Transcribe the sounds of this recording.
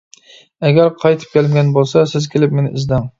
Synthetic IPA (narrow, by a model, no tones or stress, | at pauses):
æɡʲæɾqʰɑjt̪ʰɪ̥p̚kʲælɪmɡʲɛnbolˠsasɪzkʲʰelɪpmenɪʔɪzd̪æŋ